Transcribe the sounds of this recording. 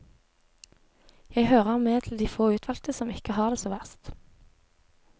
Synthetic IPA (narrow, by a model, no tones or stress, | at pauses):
jæɪhøːʁəʁmeːt̪ʰl̩d̪iːfoːʉːt̪ʰʋɑlt̪əsɔmɪkəhɑːʁd̪eːsoːʋæʁst̪